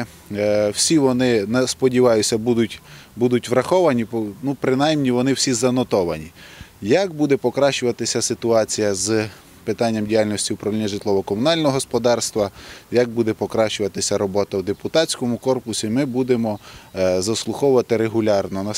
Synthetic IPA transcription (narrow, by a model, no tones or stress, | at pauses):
wsʲiʋɔnɪnespɔdʲiʋɑjʊsʲɐbud̪ʊtʲbud̪ʊtʲʋɾɐxɔʋɐnʲipnupɾɪnɑjmnʲiʋɔnɪwsʲizɐnɔt̪ɔʋɐnʲijɐkbud̪ɛpɔkɾɑʃt͡ʃʊʋɐt̪ɪsʲɐsɪt̪ʊɑt͡sʲijɐz | pɪt̪ɑnʲːɐmdʲijalʲnɔsʲtʲiwpɾɐʋlʲinʲːɐʒɪt̪lˠɔʋɔkɔmʊnɑlʲnɔɔɦɔspɔd̪ɑrst̪ʋɐjɐk̚bud̪ɛpɔkɾɑʃt͡ʃʊʋɐt̪ɪsʲɐɾɔbɔt̪ɐwd̪epʊt̪ɑtt͡sʲkɔmʊkɔrpʊsʲimɪbud̪emɔzɐslˠʊxɔwʊʋɐt̪ɪɾeɦʊlʲɑrnɔnɐ